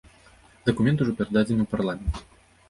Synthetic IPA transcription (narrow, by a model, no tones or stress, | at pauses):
d̪ɐkumʲɛnt̪uʐɔpʲɛɾɐd̪ad͡zʲɛnɨwparlˠamʲɛnt̪